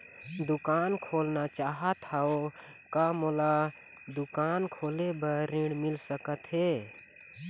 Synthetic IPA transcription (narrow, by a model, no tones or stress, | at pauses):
d̪ukaːnkʰoːlnat͡ʃaːɦət̪ʰao | kamola | d̪ukaːnkʰoːlebəɾiɽ̃milsəkət̪ɦe